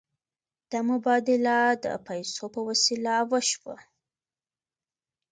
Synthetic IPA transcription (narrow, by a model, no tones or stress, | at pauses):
d̪̥amʊbɑd̪ɪlad̪ə̰pajsopəwasilawəʃwə̰